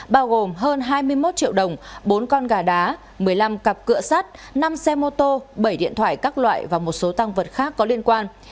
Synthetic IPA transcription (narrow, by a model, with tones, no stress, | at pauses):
ɓaː˧wɣo˨˩mɦəː˧nɦaː˧jmɨ˧əjmo˦˥t̚t͡ɕḭ˧˨əwɗə˨˩wŋ͡mɓo˨˦nkɔ˧nɣaː˨˩ɗaː˨˦ | mɨ˨˩əjla˧mkə˨˩p̚kɨ̰˧˨əsaː˦˥t̚na˧msɛ˧mo˧t̪o˧ɓə˧˩jɗḭ˧˨ənt̪ʰwa̰ː˧˨jkaː˦˥k̚lwa̰ː˧˨jvaː˨˩mo˨˩t̚so˨˦t̪a˧ŋvəː˨˩t̚xaː˦˥kːɔ˨˦li˧ənkwaː˧n